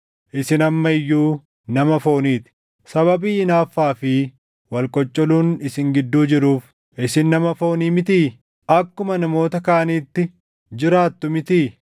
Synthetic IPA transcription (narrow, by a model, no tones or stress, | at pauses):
ʔɪsɪnɐmːɐɪjːuː | nɐmɐfo̞ːniːt̪ɪ̥ | sɐβɐbiːɪnaːfːaːfɪ | wɐlkʼɔt͡ʃʼːɔluːnɪsɪŋɡɪd̪ːuːd͡ʒɪɾuːf | ʔɪsɪnːɐmɐfo̞ːniːmɪt̪iː | ɐkːʊmɐnɐmo̞ːt̪ɐkaːʔɐniːt̪ːɪ | d͡ʒɪɾaːt̪ːʊmɪt̪iː